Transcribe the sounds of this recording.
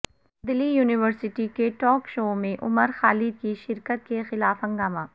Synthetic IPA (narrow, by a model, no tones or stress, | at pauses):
d̪ɪlijuːnɪʋəɾsɪʈikeʈɔːkʃoːmẽʔʊməɾxaːlɪd̪̚kiʃɪɾkət̪̚kexɪlaːfɦɐ̃ŋɡaːmaː